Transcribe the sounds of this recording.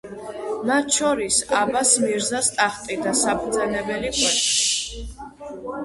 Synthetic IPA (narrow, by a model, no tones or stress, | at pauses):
mat̪ʰʃɔɾisabasmiɾzast̪ʼaχt̪ʼid̪asapʰɾd̪zɛnɛbɛlikʼwɛti